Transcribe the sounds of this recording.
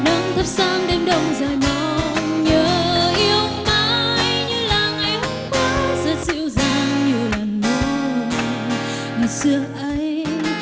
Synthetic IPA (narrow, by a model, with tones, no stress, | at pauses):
ɗaː˨˦ŋt̪ʰə˦˧˥p̚zaː˧˥ŋɗe˧mɗə˧wŋ͡mzaː˨˩jma˧˨ɲəː˨˩ʔi˧˦əwmaː˧˦jɲɨ˧laː˨˩ŋa˨˧˦jhʊ˨˧˦ŋ͡mkwa˧˥zɛ˧˥t̚zḭ˧˥əwzaː˧ɲi˨˩əwlaː˨˩mmə˨˦˨ | ŋa˨˩sɨ˧˦əʔə˧j